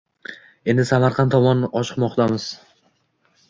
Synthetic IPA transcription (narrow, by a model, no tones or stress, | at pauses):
e̞nd̪ɪsamaɾqʰɑnt̪ʰɒmɒnɒt͡ʃɨ̥qmɒqt̪ʰamɪz̥